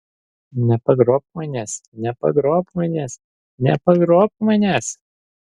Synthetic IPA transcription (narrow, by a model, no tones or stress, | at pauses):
nʲɛpɐɡɾoːp̚mɐnʲæːsnʲɛpɐ̰ɡɾoːpmɐnʲɛːs | nʲɛpɐɡɾoːpmɐnʲæːs